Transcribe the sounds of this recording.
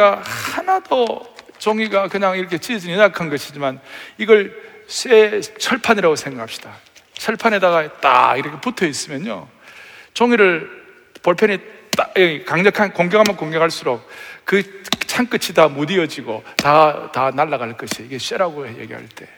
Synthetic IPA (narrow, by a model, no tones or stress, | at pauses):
ahanado | t͡ɕʌŋiɡakɯɲaŋiɾʌkʰe̞t͡ɕied͡ʑininakʰanɡʌɕʰid͡ʑimaniɡʌɭs͈et͡ɕʰʌɭpʰaniɾaɡosʰe̞ŋɡakʰap̚ɕ͈i̥d̥a | t͡ɕʰʌɭpʰane̞daɡat͈a̰iɾʌkʰe̞putʰʌis͈ɯmjʌno̰ | t͡ɕʌŋiɾɯɭ | pʌɭpʰjʌnitaekaŋɲʌkʰankoŋɡekhamjʌnkoŋɡekʰaɭs͈uɾok̚kɯt͡ɕʰaŋk͈ɯt͡ɕʰitamudiʌd͡ʑiɡotatanaɭːaɣaɭk͈ʌɕʰiiɡe̞s͈eɾaɡoje̞̰ɡiɦa̰ɭt͈e̞